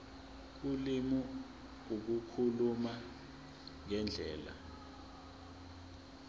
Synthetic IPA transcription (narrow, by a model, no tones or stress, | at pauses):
k̬ulimu | uk̬ukʰuluma | ŋɛnd͡ɮʱɛːla̰